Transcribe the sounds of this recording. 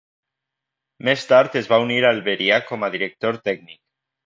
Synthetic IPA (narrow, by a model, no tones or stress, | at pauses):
mest̪aɾt̪ezβauniɾalβeɾiakomaðiɾek̚t̪oɾt̪ɛɡnik̚